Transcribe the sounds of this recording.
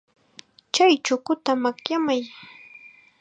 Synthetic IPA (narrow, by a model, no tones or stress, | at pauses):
t͡ʃajt͡ʃʊkʊt̪amakjamaj